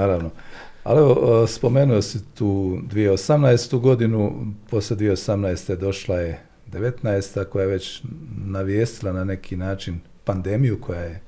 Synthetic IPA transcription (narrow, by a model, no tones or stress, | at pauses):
naːɾaʋno | a̰lie̞ʋospo̞me̞nujo̞sit̪uːd̪ʋijeosamnajest̪uɡo̞d̪inupo̞sled̪ʋijeosamnaest̪e̞d̪o̞ʃlˠaje̞ | d̪e̞ʋe̞t̪naest̪ako̞jajeʋe̞t͡ɕnaʋje̞ːst̪ilˠanane̞kʰinaːt͡ʃin | pand̪e̞mijukʰo̞jaje̞